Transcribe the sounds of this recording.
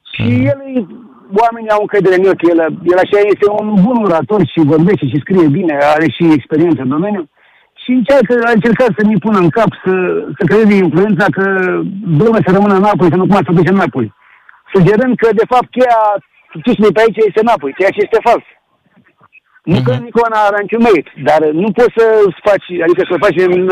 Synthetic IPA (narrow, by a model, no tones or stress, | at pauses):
ʃijelɨj | wame̞niauŋkəjd̪eɾemiokjeljelat͡ʃejaje̞st̪e̞unbunuɾat̪o̞rʃivo̞rbeʃt̪eʃ̬iskɾije̞bine̞aɾeʃiekspe̞ɾient̪səɨnd̪o̞me̞nju | ʃiɨnt͡ʃadkəaɨnt͡ʃe̞rkat̪səmipunəɨŋkapsəsək̬ɾejezeinfluje̞nt̪sakəd̪omesəɾəmɨnəɨnap̬ojs̬anək̬umat̪sʲfək̬ut̪ʃ̬ʲanapoj | sud͡ʒe̞ɾɨnd̪̚kəd̪e̞fap̚t̪̚kʲeja | t̪ut͡ʃmejp̬eait͡ʃaje̞st̪enapojkejat͡ʃeje̞st̪e̞fals | nukənikʲowanaɾanit͡ʃʲunmeit̪d̪arnupo̞t̪səsfat͡ʃʲad̪ikəsəməfat͡ʃʲmn